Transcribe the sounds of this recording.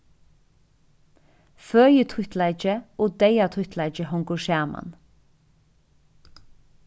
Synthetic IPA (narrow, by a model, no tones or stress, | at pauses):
føːjət̪ʰwʏt̪ʰlæɪd͡ʒəoːd̪eɪat̪ʰʏht̪ʰlæɪt͡ʃd͡ʒəhɔŋɡʊʃæːmʔɑ̰n